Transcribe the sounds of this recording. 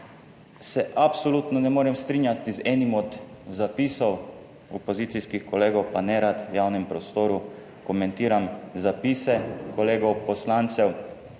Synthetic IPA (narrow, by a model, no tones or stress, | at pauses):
sɛʔapsɔlut̪nɔnɛmoːɾɛmst̪ɾiːnjat̪izɛːnimɔd̪ | zapiːsɔw | ɔpɔziːt̪sijskixkɔleːɡɔwpanɛɾat̪jawnɛmpɾɔst̪oːɾu | kɔmɛnt̪iːɾamzapisɛkɔleːɡɔwpɔslant̪sɛw